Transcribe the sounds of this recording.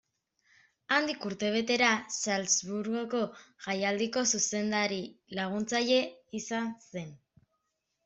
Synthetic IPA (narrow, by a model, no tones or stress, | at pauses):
and̪ikuɾt̪e̞β̞e̞t̪e̞ɾasalzβuɾɣo̞ko̞ʝajald̪iko̞suse̞nd̪aɾilaɣ̞unt͡saʎe̞isanse̞n